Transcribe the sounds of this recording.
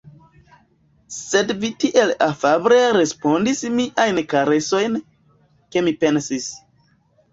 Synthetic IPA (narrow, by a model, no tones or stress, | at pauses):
se̞dvitiʔe̞lafabɾe̞ɾe̞spo̞ndismiʔajnkaɾe̞so̞jn | ke̞mipe̞nsis